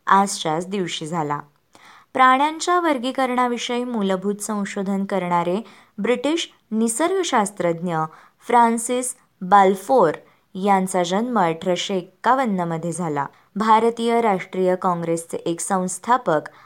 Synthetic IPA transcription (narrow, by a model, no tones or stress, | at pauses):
ad͡zɕasd̪iʋɕiːd͡zʱala̰ | pɾaɽ̃jãɲt͡ɕaʋəɾɡikəɾɳaʋiʂəjmulbʱuːt̪sə̃w̃ɕod̪ʱənkəɾɳaɾe | bɾiʈiːɕ | nisəɾɡʱɕast̪ɾəd̪njə | fɾansis | balfoɾ | jãnt͡sad͡ʑənməɾʈʰɾəɕekːaʋənːəməd̪ʱːjed͡zʱala̰ | bʱaɾt̪iːjəɾaʂʈɾijəkɔ̃ŋɡɾest͡seʔeksə̃w̃st̪ʰapək